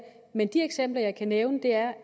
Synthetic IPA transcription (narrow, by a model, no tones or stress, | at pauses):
mend̥ieɡ̥sem̰b̥lɐjɑ̈ɪkʰæneʊnəd̥e̝æɐ